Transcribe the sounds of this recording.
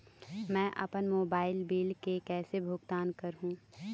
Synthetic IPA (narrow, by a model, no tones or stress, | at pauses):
mɛ̃ːʔɐ̰pənmoːbaːɪlbiːlkekɛːsebʱʊɡ̚t̪aːnkɐɾɦũː